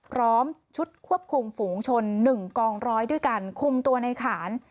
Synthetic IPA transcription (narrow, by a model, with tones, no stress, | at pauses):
pʰɾɔː˦˥mt͡ɕʰu˦˥t̪̚kʰu˥˩əp̚kʰu˧mfuː˩˦ŋt͡ɕʰo˧nːɯ˨˩ŋkɔː˧ŋɾɔː˦˥jdu˥˩əjka˧nkʰu˧mt̪u˧ɐna˧jkʰaː˩˦n